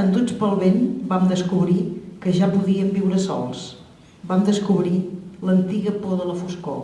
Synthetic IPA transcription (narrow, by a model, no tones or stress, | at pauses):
ənd̪ut͡spəlˠβenbamd̪əskuβɾikəʒapuðiəmbiwɾəsɔ̰lˠs | bamd̪əskuβɾilənt̪iɣəpoðələfusko̰